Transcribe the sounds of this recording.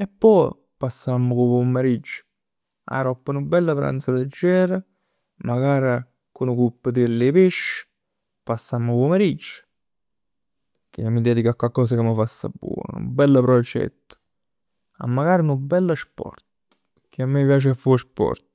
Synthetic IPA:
ɛpːɔj | pasːamːʊkopomːeɾid͡ʒːʊ̥ | a̰ɾɔpːənubːɛlːəpɾa̰nt̪saled͡ʒːɛːɾa | maɡaːɾa | kʊnukupːəd̪ilːepeʃː | pasːamːopomeɾid͡ʒːʊ̥ | kɪmːid̪ɛːd̪ikakwalkɔːs̬akemːəfasːa̰bːwɔ̰ːn̰nʊ̰bːɛlːəpɾod͡ʒɛ̰t̪ːʊ̥ | a̰mːaɡaːɾiunʊbːɛlːəspɔ̰rt̪ | kʰɪamːipjaːt͡ʃɪafːuspɔ̰ɾt̪

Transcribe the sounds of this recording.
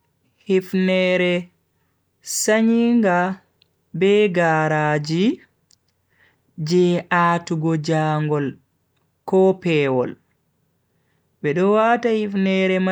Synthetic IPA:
hifnɛɾɛ | saɲiŋɡa | bɛɡaɾaːd͡ʒi | d͡ʒɛʔatuɡɔd͡ʒaːŋɡɔl | kɔpɛwɔl | bɛɗɔwaːtahifnɛɾɛma

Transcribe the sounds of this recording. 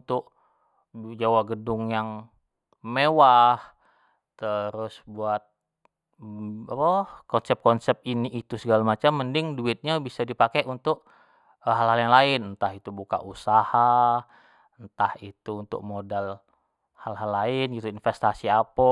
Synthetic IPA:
nt̪ʊʔ | d͡ʒawaɡədʊŋjaŋ | mewah | t̪əɾʊsbuat̪̚ | apəkɔnsɛp̚kɔnsɛp̚iniʔːt̪usəɡalamat͡ʃamːəndɪŋduɪt̪̚ɲabisadipakeʔunt̪ʊk̚ | ɦalɦaljaŋlaɪnnt̪aɦit̪ubuka̰ʔusaha | nt̪ahit̪uːnt̪ʊ̰k̚modal | halɦalːaɪnɡit̪uinfɛst̪asiapɔ

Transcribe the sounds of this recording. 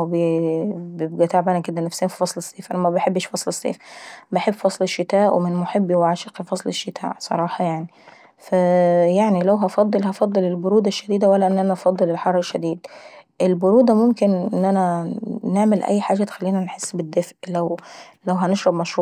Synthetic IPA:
b | bjebɡæt̪aːʕbaːnæked̪ænæfseːmfi̥fɑsˤlesˤːeːfʔænæmæbeħebːʃfɑsˤlesˤːḛːfbeħebːfɑsˤleʃːɪt̪æːʔwemɪnmoħebːiweʕaʃeqifɑsˤleʃːɪt̪ʰa̰ːʕsˤɑ̰ɾˤɑːħɑjaʕni | fæjaʕnilæwɦɑfɑd̪ˤːelhɑfɑd̪ˤːelelboɾuːd̪æʃːæd̪iːd̪æwælːæʔenːʔænæʔɑfɑd̪ˤːelelħɑrˤːeʃːæd̪iːd̪ʔelboɾuːd̪æmʊmkenʔenːʔænæneʕmelʔæ̰jːħaːʒæt̪e̥xælːiːnænħesːbed̪ːefʔlæwlæwɦæneʃɾˤɑbmæʃɾuːʕ

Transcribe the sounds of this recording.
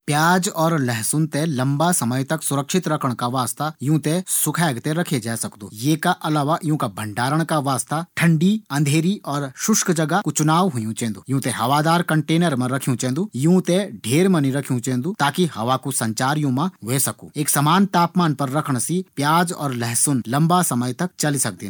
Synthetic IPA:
pjaːd͡ʒɔːɾlɛɦsʊnt̪elɐ̃mbasɐməjt̪ɐksʊɾəkʃɪt̪ɾɐkʰəɽ̃kaʋaːst̪ajũːt̪ẽsʊkʰɛːɡt̪ẽɾɐkʰed͡ʒaːsɐkd̪ṵːjeːkaʔɐlaːʋajũːkabʱɐ̃ɳɖaːɾəɽ̃kaʋaːst̪aʈʰɐ̃ɳɖiɐ̃nd̪ʱeːɾiɔːɾʃʊʃkd͡ʒɐɡakut͡ʃʊnaːʋɦʊjũt͡ʃẽːnd̪uːjũːt̪eɦɐʋaːd̪aːɾkɐɳʈeːnəɾmɐ̃ɾɐkʰijũt͡ʃẽːnd̪ujũt̪eɖʱeːɾmɐ̃niɾɐkʰjũt͡ʃẽːnd̪ut̪aːkihɐʋakusɐ̃ɲt͡ʃaːɾijõmãʋeːsɐkṵ̃eːksɐmaːnt̪aːpmaːnpɐɾːɐkʰəɽ̃sipjaːd͡ʒɔ̰ːɾlɛɦsʊnlɐ̃mbasɐməjt̪ɐk̚t͡ʃɐlisɐk̚d̪eː

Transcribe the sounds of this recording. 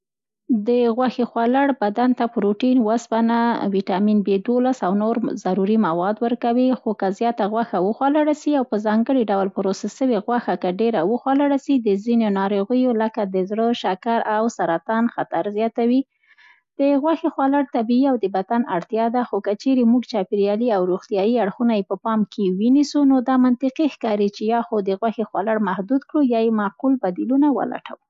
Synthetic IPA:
d̪əɣwaxexwalaɽbad̪ant̪apʊɾoʈinwaspanawiʈɑminbed̪olasawnoɾzaɾuɾimawɑd̪wəɾkawixokazjɑt̪aɣwaxawəxwalaɽasiawpəzɑŋɡəɽiɖawlpʊɾosasəweɣwaxakaɖeɾawəxwalaɽasid̪əzinonɑɾoɣəjoləkad̪əzɽəʃakaɾawsaɾat̪ɑnxat̪aɾzjɑt̪awi | d̪̥əɣwaxexwalaɽt̪abiiawd̪əbad̪anaɽt̪jɑd̪axokət͡ʃeɾemuɡt͡ʃɑpiɾjɑliawɾuxt̪jɑjiaɽxunajepəpɑmkʰewinisunod̪ɑmant̪ɪqixkɑɾit͡ʃejɑxod̪əɣwaxexwalaɽmahd̪ud̪kɽujɑjemaqulbad̪ilunawə̰la̰ʈʰa̰wu

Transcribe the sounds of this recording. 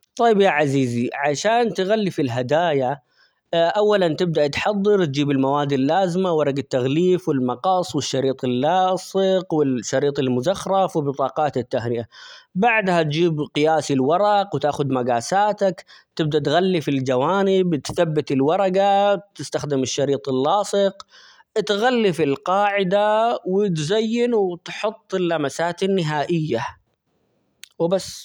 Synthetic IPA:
t̪ˤɑjːɪbjaʕaziːziʕaʃaːnt̪ɣalːifilɦad̪aːja | ʔawːalant̪ɪb̚d̪aʔt̪ħɑd̪ˤːɨɾt̪̚d͡ʒiːbɪlmawaːd̪ɪlːaːzɪmawɑɾˤɑɡat̪ːaɣliːfwɪlmɑqɑsˤːwɪʃːɑɾiːt̪ˤɪlːɑːsɪqwɪlʃːɑɾiːt̪ˤɪlmʊzɑxɾˤɑfwɪlbɨt̪ˤɑːqɑːt̪ɪt̪ːahnɪʔabaʕd̪hat̪d͡ʒiːbqɨjaːsɪlwɑɾˤɑqwt̪aːxʊd̪maɡaːsaːt̪akt̪ɪb̚d̪at̪ɣalːifɪld͡ʒawaːnɪbt̪θabːɪt̪ɪlwɑɾˤɑɡat̪ɪst̪axd̪ɪmɪʃːɑɾiːt̪ˤɪlːɑːsˤɨq | t̪ɣalːifɪlqɑːʕɪd̪awɪt̪zajːɪnwɪt̪ħʊt̪ˤːɪlːamasaːt̪ɪnːɪɦaːʔɪjːa | wɪbasː

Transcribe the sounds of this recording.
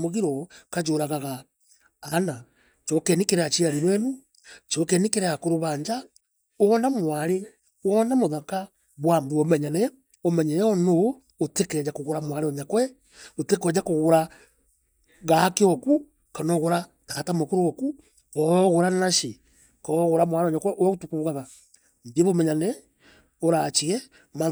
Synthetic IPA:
moɣiɾɔkad͡ʒoɾaɣaɣa | ana | t͡ʃɔkɛnikeɾeat͡ʃiaɾiɾwɛnu | t͡ʃɔkɛnikeɾeakoɾoβaːɲd͡ʒa | oɔnamwaɾe | wɔnamoðaka | βwambuomɛɲanɛ | omɛɲɛɛɔnoː | tekɛd͡ʒakoɣoɾamwaɾeoɲakwɛ | otekwɛd͡ʒakoɣoɾa | ɣakeoku | kanoɣoɾa | takatamokoɾooku | oɣoɾanaʃi | koɣoɾamwaɾeoɲakwɛʔotukuɣaɣa | mbieβomɛɲanɛ | oɾat͡ʃiɛ | ma

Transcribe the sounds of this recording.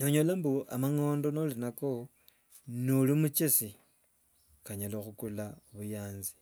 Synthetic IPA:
noɲolambuʔamaŋo̞ːndo̞nolinako | nolimut͡ʃesi | kaɲalexukulaoβujaːnzi̥

